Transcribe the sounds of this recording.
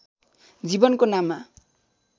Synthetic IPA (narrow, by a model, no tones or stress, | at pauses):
d͡zibʌnkonama